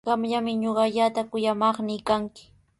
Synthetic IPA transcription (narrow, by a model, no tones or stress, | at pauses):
ɢɑmʎamɪɲoɢɑʎaːt̪akʊjamɑχnɪːkaŋkɪ̥